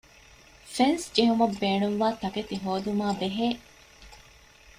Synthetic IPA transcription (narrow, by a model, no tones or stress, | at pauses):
fensd͡ʒeɦumɐbːeːɳuŋʋaːt̪ɐket̪iɦoːd̪umaːbeɦeː